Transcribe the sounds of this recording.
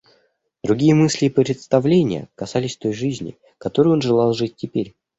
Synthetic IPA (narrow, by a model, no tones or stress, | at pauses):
d̪̥ɾʊɡʲijəmɨsʲlʲɪːpɾʲɪt̪st̪ɐvlʲenʲɪ̰jə̰kɐsalʲɪsʲt̪o̞jʐɨzʲnʲɪ̰ | kɐt̪o̞ɾɨjo̞nʐɨlˠɑlˠʐɨt̚ʲːɪpʲeɾʲ